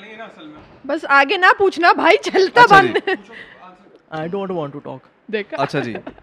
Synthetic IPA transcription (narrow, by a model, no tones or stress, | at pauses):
bɐsaːɡenaput͡ʃʰnabʱaːit͡ʃɐlt̪abɐ̃nd̪ | aɪɖõːɳʈʋãːɳʈːuʈɔ̰ːk | d̪ekʰɐtːʃʰad͡ʒḭ